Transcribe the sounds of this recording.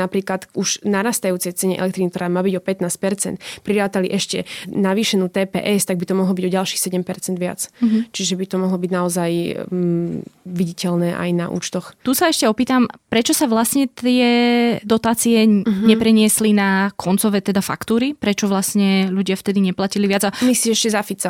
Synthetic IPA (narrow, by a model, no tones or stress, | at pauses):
napɾiːklat̪uʒnaɾaːst̪ajuːt͡sɛjt͡sɛɲɛ̰ʔɛ̰lɛk̚t̪ɾinik̚t̪ɔɾaːmaːbiɟɔpɛt̪naːs̚pɛɾt͡sɛ̰nt̪̚pɾiɾaːt̪alḭʔɛʃcɛ̰naʋiːʃɛnuːt̪ɛːpɛ̰ːʔɛst̪aɡ̚bit̪ɔmɔɦlɔbiɟɔɟalʃiːxsɛɟɛmpɛɾt͡sɛnd̪ʋɪa̰t͡st͡ʃiʒɛbit̪ɔmɔɦlɔbiɟnaɔzaj | ʋiɟicɛlnɛːʔa̰jna̰ʔṵːt͡ʃt̪ɔxt̪usaɛʃcɛɔpiːt̪ampɾɛt͡ʃɔsaʋlasɲɛt̪ɪɛd̪ɔt̪aːt͡siɛɲɛpɾɛɲɪɛslinakʰɔnt͡sɔʋɛːt̪ɛd̪afa̰kt̪uːɾipɾɛt͡ʃɔʋlasɲɛʎuɟɪaft̪ɛd̪iɲɛplaciliʋɪad͡zamisiɛʃcɛzafit͡sa